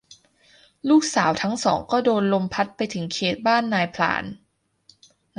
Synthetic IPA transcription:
luː˥˩k̚saː˩˦wt̪ʰa˦˥ŋsɔː˩˦ŋkɔː˥˩doː˧nlo˧mpʰa˦˥t̪̚pa˧jt̪ʰɯ˩˦ŋkʰeː˨˩t̪̚baː˥˩nːaː˧jpʰla̰ː˩˦n

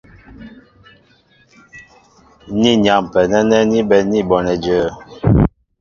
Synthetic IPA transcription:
ni˦ɲ˨a˨mpɛ˨nɛ˦nɛ˦ni˦bɛ˨ni˦bɔ˨nɛ˨d͡ʒə˨

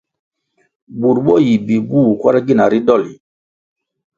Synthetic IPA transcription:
bu˨ɾɓo˦˨ji˨bi˨bu˦˨kwa˦ɾa˦ɡi˦na˨ɾi˦ɗɔ˦˨li˨

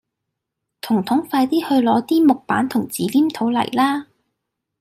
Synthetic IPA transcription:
t̪ʰʊ˨˩ŋt̪ʰʊ˨˥ŋfaː˧jt̪iː˥hɵ˧ɥlɔː˨˧˥t̪iː˥mʊ˨k̚paː˨˥nt̪ʰʊ˨˩ŋt͡siː˨˥liː˥mt̪ʰo˨˧˥wlɐ̰˨˩jlaː˥

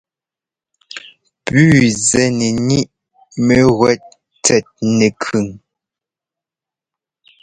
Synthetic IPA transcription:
pʉː˨zɛ˨ne˨ni˦ʔ | me˨ɣwɛ˦t̚ | t͡sɛ˨t̚ne˨kʰʉ˨ŋ

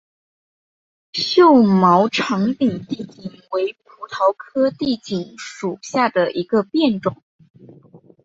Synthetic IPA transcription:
ɕjo˥˩ʊmɑ˧˥ʊʈ͡ʂʰɑ˧˥ŋt̪i˨˩ŋt̪i˥˩t͡ɕi˨˩ŋwe˧˥ɪpʰu˧˥t̪ʰɑ˧˥ʊkʰɤ˥t̪i˥˩t͡ɕi˨˩ŋʂu˨˩ɕja˥˩d̪ə˩ʔi˧˥ɡə˧pjɛ˥˩nʈ͡ʂʊ˨˩˦ŋ

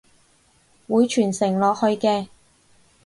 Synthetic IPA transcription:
wuː˨˧jt͡ʃʰyː˨˩nsɪ˨˩ŋlɔː˨k̚hɵ˧ɥkɛː˧

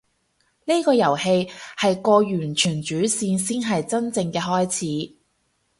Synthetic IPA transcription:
ni˥kɔː˧jɐ˨˩whe˧jhɐ˨jkɔː˧jyː˨˩nt͡ʃʰyː˨˩nt͡ʃyː˨˥siː˧nsiː˥nɦɐ˨jt͡sɐ˥nt͡sɪ˧ŋkɛː˧ɦɔː˥jt͡sʰiː˨˥

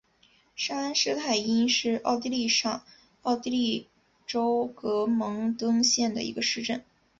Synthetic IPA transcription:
ʂa˥a˥nʂɻ̩˥t̪ʰa˥˩ɪi˥nʂɻ̩˥˧ɑ̰˥˧ʊt̪̬i˥˧li˥˧ʂɑ˥˩ŋ | ɑ˥˩ʊt̪i˥li˥˩ | ʈ͡ʂo˥ʊkɤ˧˥mɤ˧˥ŋt̪ɤ˥ŋɕjɛ˥˩nd̪ə̰˩ḭ˧˥ɡə˧ʂɻ̩˥˧ʈ͡ʂə˥˩n

